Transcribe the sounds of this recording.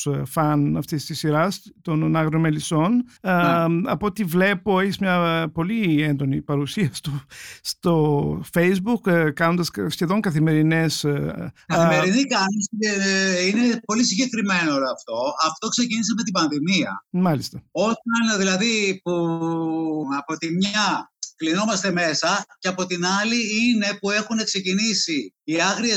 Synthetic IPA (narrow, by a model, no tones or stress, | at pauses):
fɐnɐft̪ist̪isiɾɐst̪onnɐɣɾiomeliso̞n | ɐpoot̪ivle̞po̞eçizmɲɐpo̞lie̞nd̪o̞nipɐɾusiɐst̪ost̪o̞fejzbukkɐno̞nd̪ɐssçe̞ðo̞ŋkɐθime̞ɾine̞skɐθimeɾinikɐniseine̞po̞lisiɲɟekɾime̞nooloɐft̪o̞ɐft̪o̞kse̞ciniseme̞t̪̬ibɐnðimiɐ̰mɐlist̪ɐo̞t̪ɐnðilɐðipu | ɐpo̞t̪imɲɐklino̞mɐst̪e̞me̞sɐceɐpo̞t̪inɐliine̞pue̞xune̞kse̞cinisiːɐɣɾie